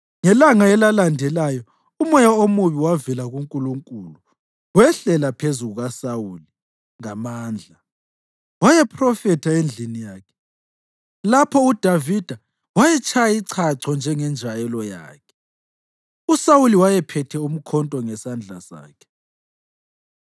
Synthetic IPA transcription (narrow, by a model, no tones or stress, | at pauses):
ŋɛlaŋaɛlalandʱɛlajɔ | umɔjaomuβiwavilaɣuŋkʼuluŋkʼuːlu | wɛɬɛlapʰezuɣuɣasawuli | ŋamaːnd͡ɮʱa | wajɛpʰrɔfɛtʰaend͡ɮʱinijaːkʰɛ̥ | lapʰɔud̥ʱavid̥ʱa | wajɛt͡ʃʼʰajaiǀʰaǀʰɔnd͡ʒʱɛŋɛnd͡ʒʱajɛlɔja̰ːkʰɛ̥ | usawuliwajɛpʰɛtʰɛum̩kʰɔntʼɔŋɛsand͡ɮʱa̰sa̰ːkʰɛ̥